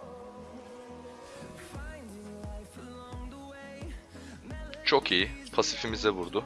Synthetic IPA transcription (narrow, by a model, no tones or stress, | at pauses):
t͡ʃʰokʰijipʰasifimizɛβuɾd̪ʊ